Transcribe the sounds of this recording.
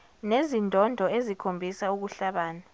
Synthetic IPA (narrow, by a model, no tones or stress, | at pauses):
nezindʱɔndʱɔezikʰombʱisauk̬uɬaɓaːna